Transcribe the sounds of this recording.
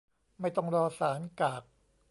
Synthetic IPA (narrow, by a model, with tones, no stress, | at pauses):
ma˥˩jt̪ɔ˥˩ŋɾɔː˧saː˩˦nkaː˨˩k̚